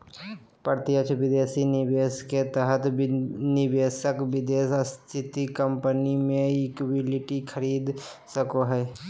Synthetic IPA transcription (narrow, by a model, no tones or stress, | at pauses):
pəɾt̪ɪjət͡ʃʰʋɪd̪eːsinɪʋeːsket̪ɛɦət̪nɪbeːsəkbɪd̪eːsəst̪ʰɪt̪ikəmpənimẽɪkwɪlɪʈikʰəɾiːd̪ | səkoɦɛː